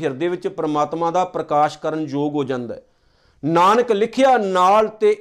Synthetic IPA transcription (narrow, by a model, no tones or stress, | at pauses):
ɦɪɾd̪eːʋɪt͡ʃpɾəmaːt̪mãːd̪aːpɾəkaːʃkəɾənd͡ʒoːɡɦoːd͡ʒãːnd̪ɛ̰ː | naːnəklɪkʰɪjaːnaːlt̪eː